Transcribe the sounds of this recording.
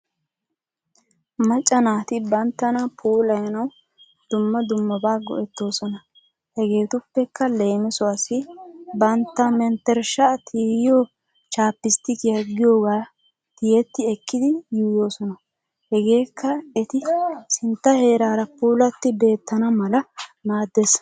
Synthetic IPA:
mɐt͡ʃʼːɐnaːt̪ɪbɐnt̪ːɐnɐpʰuːlɐjɐnɐw | d̪̥ʊmːɐd̪ʊmːɐbaːɡɔ̰ʔɛt̪ːo̞ːsɔnɐ | hɛɡe̞ːt̪ʊpːɛkːɐle̞ːmɪsɔɐsɪbɐnt̪ːɐmɛnt̪ːɛɾʃɐt̪ʰiːjjoː | t͡ʃaːpːɪst̪ɪkɪjɐɡɪjo̞ːɡaː | t̪ɪjɛt̪ːɪɛkːɪd̪ɪjuːjo̞ːsɔnɐ | hɛɡe̞ːkʰːɐɛt̪ɪsɪnt̪ːɐhe̞ːɾaːɾɐpuːlɐt̪ːɪbe̞ːt̪ːɐnɐmɐlɐnaːd̪ːes

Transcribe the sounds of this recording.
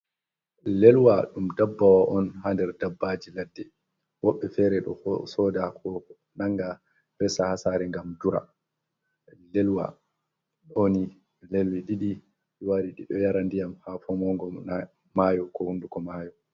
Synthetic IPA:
lɛlwaɗumdabːawaʔɔnhandɛɾdabːad͡ʒiladːɛ | wɔɓːɛfɛɾɛɗɔ̰hɔsɔdakʰɔ | naŋɡa | ɾɛsahasaːɾɛŋɡamd͡ʒuɾa̰ | lɛlwa̰ | ɗoni | lelwiɗiɗi | ɗiwaɾiɗiɗɔjaɾandijamhafɔmɔŋɡɔa | majɔkɔhundukɔmaːjɔ

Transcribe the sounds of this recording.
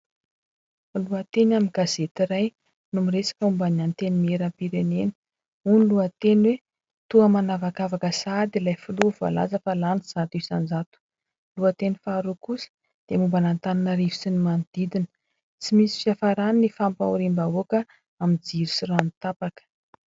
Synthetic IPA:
luat̪enaminɡ̥az̥et̪iɾaj | numiresḁkəumbaniant̪enimeɾampiɾenenə̥ | uniluət̪enwe | t̪uəmanavakavakəsad̪ilajfuluva̰la̰zəfalaniz̥at̪isand͡zat̪u̥ | luat̪enifaɾukusə̥ | d̪̥emumbanant̪ananəɾivi̥sinimand̪̥id̪inə̥ | t͡simisi̥fjafaɾaninifampa̰uɾimbaokə | amid͡ziɾusiranit̪apakə̥

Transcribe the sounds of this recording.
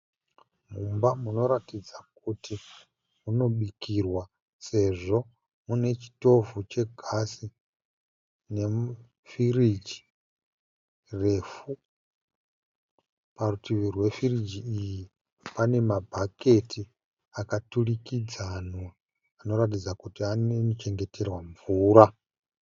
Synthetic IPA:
mumbamuno̞ɾatid͡zak̚uti | muno̞ɓikirwa | se̞ʐo̞ | mune̞t͡ʃi̥to̞vut͡ʃe̞ɡʱasi | ne̞ | firid͡ʒi̥ | re̞fu | parutiʋirwe̞firid͡ʒiiji | pane̞mabʱake̞tʰi | akaturikid͡zano | ano̞ɾatid͡zakutianenot͡ʃe̞ŋɡe̞te̞rwaɱvuːɾa

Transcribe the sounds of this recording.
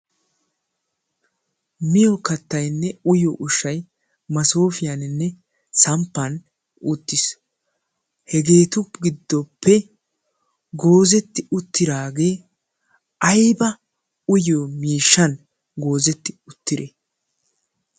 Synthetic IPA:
mɪjɔkɐt̪ːɐjnːɛʊjɔʔʊʃːɐj | mɐso̞ːfɪjɐnɪnːɛ | sɐmpːɐn | ʊt̪ːɪs | hɛɡe̞ːt̪ʊɡɪd̪ːɔpʰːɛ | ɡo̞ːzɛt̪ːɪʊt̪ːɪd̪aːɡe̞ː | ʔɐjbɐ | ʊjomiːʃːɐn | ɡo̞ːzɛt̪ːɪ̥ʊt̪ːɪɾe

